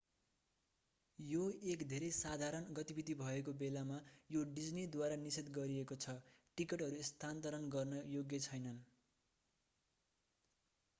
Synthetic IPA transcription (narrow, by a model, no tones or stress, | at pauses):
joekd̪ʱeɾʌjsad̪ʱaɾʌnɡʌt̪ibid̪ibʱʌekobelamajoɖid͡znid̪waɾanisit̪ɡʌɾiekot͡sʰʌʈikʌʈɦʌɾust̪ʰant̪ʌɾʌnɡʌrnʌjoɡjʌt͡sʰʌjnʌn